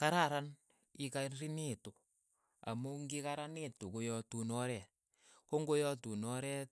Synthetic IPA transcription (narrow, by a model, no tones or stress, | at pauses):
kaɾaɾan | ikaɾineto | a̰moŋɡikaɾanetokojɔtunɔɾɛ | koŋɡojɔtunɔɾɛ